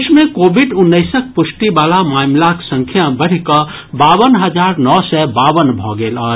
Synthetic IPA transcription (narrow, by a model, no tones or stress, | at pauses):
t͡ʃʰmẽkoːbiɖʊnːəɪsək̚pʊsʈibaːlamaːmlaksə̃ŋkʰjabəɽ̤ikə | baːʋənɦəd͡ʒaːɾnɔːsɛbaːʋənbʱɔɡeːlɔːɾ